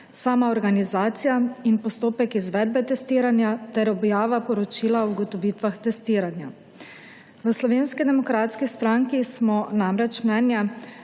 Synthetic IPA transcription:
saːmaɔɾɡanizaːt̪sijainpɔst̪oːpɛkizʋɛːd̪̚bɛt̪ɛst̪iːɾanjat̪ɛɾɔbjaːʋapɔɾɔt͡ʃiːlaɔuɡɔt̪ɔʋiːt̪ʋaxt̪ɛst̪iːɾanja | ʋəslɔʋeːnskid̪ɛmɔkɾaːt̪skist̪ɾaŋkismɔnamɾɛt͡ʃmnɛːnjɛ

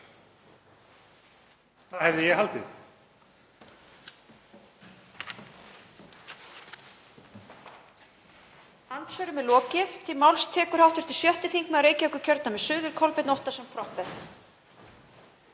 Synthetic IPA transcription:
θahɛvðɪjɛhalt̪ɪθ | ant̪sœɾʏmɛlɔːcɪθt̪ʰɪlmawlst̪ʰɛːkʏɾ̥hawht̪ʏɾ̥t̪ʰɪlsjœht̪ɪθiŋkmɛaɾeːjcɪœhkʏ̥cʰœɾt̪namɛðsʏːðʏɾkʰɔlpɪt̪nɔwht̪asɛmpʰɾɔhpɛt̪

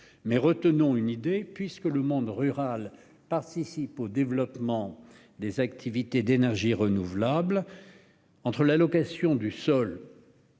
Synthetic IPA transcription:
mɛʁət̪ənɔ̃ynid̪epɥiskələmɔ̃d̪ʁyʁal | paʁt̪isipod̪evlɔpmɑ̃ | d̪ezak̚t̪ʰivit̪ed̪enɛʁʒiʁənuvlabl | ɑ̃t̪χəlalɔkasjɔ̃d̪ysɔl

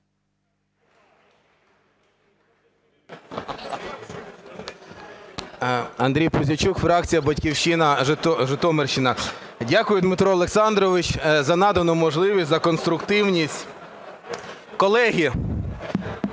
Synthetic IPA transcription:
ɐnd̪ɾʲijpʊzʲɐt͡ʃukfɾɑk̚t͡sʲijɐbɐtʲkʲiwʃinɐt̪ʒɪt̪ɔmerʃt͡ʃɪnɐdʲakʊjʊd̪mɪt̪ɾɔɔlˠeksɑnd̪ɾɔʋɪt͡ʃzɐnɑd̪ɐnɔmɔʒlˠɪʋʲisʲzɐkɔnst̪ɾʊkt̪ɪwnʲisʲtʲ | kɔlˠɛɦʲi

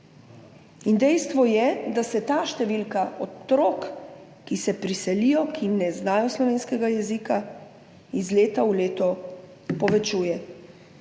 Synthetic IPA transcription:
ind̪ɛjst̪ʋɔjɛd̪asɛt̪aːʃt̪ɛʋilkaʔɔt̪ɾoːkː | isɛpɾisɛlijɔkʰinɛznaːjɔslɔʋeːnskɛɡajɛzika | izleːt̪auleːt̪ɔ | pɔʋɛt͡ʃuːjɛ

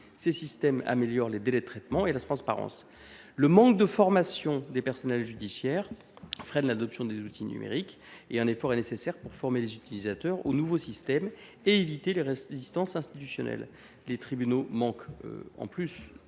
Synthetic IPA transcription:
sesist̪ɛma̰meljɔʁled̪elɛd̪ət̪χɛt̪mɑ̃elat̪χɑ̃spa̰ʁɑ̰̃s | ləmɑ̃k̚d̪əfɔʁmasjɔ̃d̪epɛʁsɔnɛlʒyd̪isjɛʁ | fχɛnlad̪ɔpsjɔ̃d̪ezut̪ʰiny̰mḛʁik | eɛ̃nefɔʁɛnesesɛʁpuʁfɔʁmelezyt̪ilizat̪œʁo̰nuvosist̪ɛm | eevit̪eleʁezist̪ɑ̃sɛ̃st̪it̪ysjɔnɛ̰l | let̪χibynomɑ̃kɑ̰̃plys

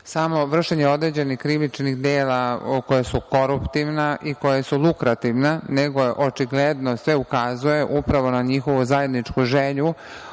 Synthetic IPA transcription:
samo̞ʋr̩ʃeɲeod̪ɾeːd͡ʑe̞nixkːɾiʋit͡ʃnixd̪eːlako̞jasuko̞ɾupt̪iʋnaʔiko̞jasulˠukɾat̪iʋnaneɡo̞ʔot͡ʃiɡled̪nosʋeukazuje̞ʔupɾaʋo̞naɲixo̞ʋuzaje̞d̪nit͡ʂkuʒeʎu

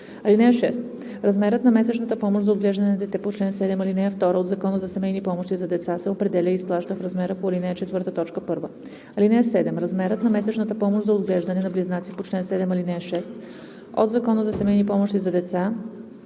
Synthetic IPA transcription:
ɐlinɛɛʃɛst̪ | ɾazmɛɾət̪nɐmɛsɛt͡ʃnət̪əpɔmoʒzɐod̪ɡlɛʒd̪ɐnɛnɐd̪ɛt̪ɛpot͡ʃlɛnsɛd̪ɛmalinɛɛft̪ɔɾəod̪zɐkɔnəzɐsɛmɛjnipɔmoʃt̪izɐd̪ɛt̪sasɛopɾɛd̪ɛlʲəisplˠaʃt̪əfɾazmɛɾəpoɐlinɛɛt͡ʃɛt̪vɤɾt̪ət̪ɔt͡ʃkəpɤɾvə | ɐlinɛɛsɛd̪ɛmɾazmɛɾət̪nɐmɛsɛt͡ʃnɐt̪əpɔmoʒzɐod̪ɡlɛʒd̪ɐnɛnɐbliznat̪sipot͡ʃlɛnsɛd̪ɛmɐlinɛʃɛst̪ | o̰d̪zɐkɔnəzɐsɛmɛjnipɔmoʃt̪izɐd̪ɛt̪sa

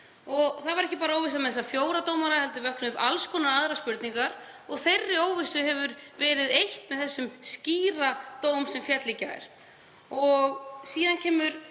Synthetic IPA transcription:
ɔɣθavaɾɛhcɪpaːɾaoːwvɪs̬amɛðɛsafjoːwɾat̪oːwmaɾahɛlt̪ʏvœhknʏpa̰lskʰɔnaaðɾaspʏɾt̪niŋkaɾ | ɔɣθejrːɪoːwvɪsʏhɛvʏɾvɛːɾɪðejht̪mɛðθɛsːʏmsciːrat̪oːwmsɛmfjɛt̪licːaɛ̰ɾ̥ | ɔɣsiːðancʰɛːmʏɾ

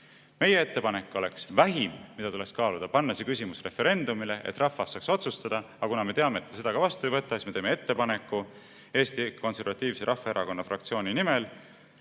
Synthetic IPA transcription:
me̞jee̞t̪ːepɑne̞kːˑo̞le̞ksvæɦimmid̥̪ɑt̪ule̞kskɑːlud̪̥ɑpɑnːɑsekysʲimusre̞fe̞ɾe̞nd̪̥umile̞ʔḛt̪ːrɑfːɑsːɑːkso̞t̪sust̪ɑd̪̥ɑ | ɑkunɑme̞t̪eɑmeːt̪ːˑse̞d̪ɑɡ̥ɑvɑst̪uejvɤt̪ːˑɑsismeeːmeet̪ːe̞pɑne̞kːˑu | e̞ːst̪iko̞nse̞ɾvɑt̪ːˑiːvseɾɑfɑeɾʔɑko̞nːɑfrɑkt̪sio̞ːninimel

